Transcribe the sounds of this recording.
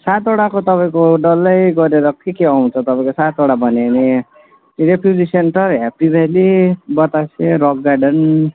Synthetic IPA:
sat̪oɽakot̪ʌpaĩkoɖʌlːʌjɡʌɾeɾʌkekeaw̃t͡sʰʌt̪ʌpaĩkosat̪oɽabʱʌneʌni | ɾepʰjud͡zisenʈʌɾɦepibʱelibʌt̪asẽɾɔɡɡaɖʌn

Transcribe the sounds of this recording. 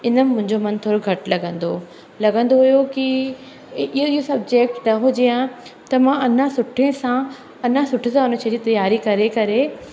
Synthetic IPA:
ɪnəmɪmʊ̃ɦɪ̃ɲd͡ʑomɐ̃nt̪ʰoːɾoɡʱɐʈlɐɡə̃nd̪o | lɐɡə̃nd̪oɦʊjoki | ɪoɪɦosɐb̚d͡ʑeːk̚ʈnɐɦʊd͡ʑejãt̪ɐmãɐnãsʊʈʰẽsã | ɐnãsʊʈʰẽsãɦʊnət͡ɕʰɐ̃d͡ʑit̪ɐjaːɾikɐɾekɐɾe

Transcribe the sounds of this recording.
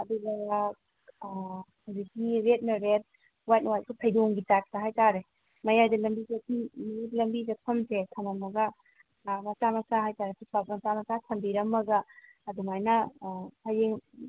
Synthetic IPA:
ɐduɡɐa | hazikiɾet̚nɐɾet̚ | wajt̚nwajt̚sipʰɐjdoŋɡitat̚taɦajtaɾe | mɐjajdɐlɐmbizekʰiitlɐmbizɐpʰɐmsekʰɐmɐmɐɡɐ | mɐsamɐsaɦajtaɾesipʰat̚mɐt͡ʃamɐsatʰɐmbiɾɐmːɐɡɐː | duŋajnɐpʰajeŋ

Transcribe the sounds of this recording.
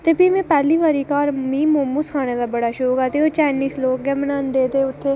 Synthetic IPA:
t̪ebimẽpɛːliːʋaːɾiːkaːɾmĩːmoːmuskʰaːneːd̪aːbəɽaːʃoːkat̪eoːt͡ʃaːɪniːsloːkɡɛmənaːnd̪eːt̪eːʊt̪ʰːeː

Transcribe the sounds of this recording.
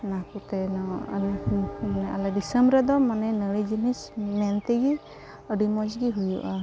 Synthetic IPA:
nakut̪ɛnɔ | manɛalɛdisəmbɾad̪ɔmanɛnəɽid͡ʒinismɛnt̪ɛɡi | əɖimɔd͡ʒɡiɦujṵʔa

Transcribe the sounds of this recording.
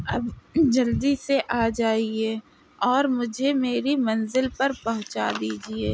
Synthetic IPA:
ɐbd͡ʒɐld̪iseʔaːd͡ʒaːieː | ɔːɾmʊd͡ʒʱemeːɾimɐnzɪlpɐɾpɐɦʊ̃t͡ʃa̰d̪iːd͡ʒieː

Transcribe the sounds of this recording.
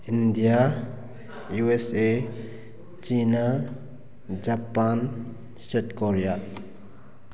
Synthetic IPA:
indija | juese | t͡ʃina | d͡ʒapan | stetkɔɾija

